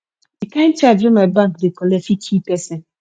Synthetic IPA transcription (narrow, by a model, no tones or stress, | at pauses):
dikãnt͡ʃad͡ʒɾɔmɛd̚bãŋkdekɔlɛfikʰipɛsɛn